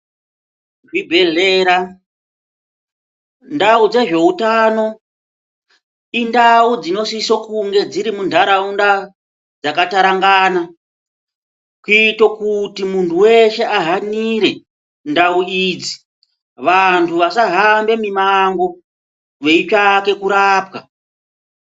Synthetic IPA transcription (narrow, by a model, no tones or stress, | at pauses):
ʐibʱe̞ɮeːɾa | ndaud͡ze̞ʐe̞utaːno̞ | indaud͡zino̞sisokuŋɡe̞d͡ziɾimundʱaɾaunda | d͡zakataɾaŋɡaːna | kuiitokutimuntʰuwe̞ʃe̞ʔaɦaniɾe̞ | ndauid͡zi | ʋantʰuʋasaɦambe̞mimaŋɡo̞ | ʋe̞it͡ʃake̞kuɾaːpwa